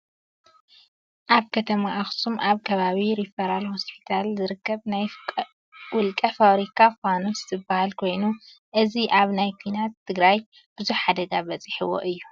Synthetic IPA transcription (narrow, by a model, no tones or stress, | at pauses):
ʔaβkʰɐt̪ʰɐmaʔaxsumʔaβkʰɐβaβiɾifɐɾalho̞spʰi̥t̪ʰalzɨɾɨkʰːɐβnaj | wʊlkʼɐfaβɾikʰafanozɨ̥t̪ʰɨbahalkʰo̞jnu | ʔɨziʔaβnajkʰʷinat̪ʰːɨɡɾaj | b̥ɨzuħħad̪ɐɡabɐt͡sʼiħɨwo̰ʔɨjːu